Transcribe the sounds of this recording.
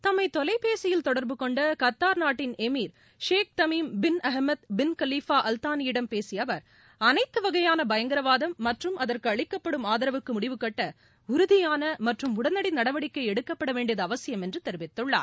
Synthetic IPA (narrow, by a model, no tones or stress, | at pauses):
t̪ɐmːɐɪt̪ɔlɐɪpːeːsɪjɪlt̪ɔɽɐɾbɯkɔɳɖɐkɐt̪ːaːɾnaːʈːɪnɛmiːɾ | ʂeːk̚t̪ɐmiːmbɪnɐɦmɐt̪bɪnkɐliːfaːʔɐlt̪aːnɪjɪɽɐmpeːsɪjɐʋɐɾ | ɐnɐɪt̪ːɯʋɐɣɐjaːnɐbɐjɐŋɡɪɾɐʋaːðɐmːɐʈrɯmɐðɐrkɯɐɭɪkːɐpːɐɽɯmaːðɐɾɐʋɯkːɯmʊɽɪʋɯkɐʈːɐ | ʊɾʊðɪjaːnɐmɐʈrɯmʊɽɐnɐɽɪnːɐɽɐʋɐɽɪkːɐɪɛɽɯkːɐpːɐɽɐʋeːɳɖɪjɐðɐːʋɐsɪjɐmɛndrɯt̪ɛɾɯʋɪt̪ːɯɭːa̰ːɾ